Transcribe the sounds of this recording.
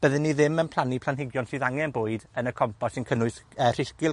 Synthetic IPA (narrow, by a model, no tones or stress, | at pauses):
b̥əðɪnːiðɪmənpʰlˠanipʰlanɦɪɡjɔnsɨːðaŋɛnboːɨdənəkʰɔmpʰɔsɪnkʰənʊɨθər̥ɪskɪlˠ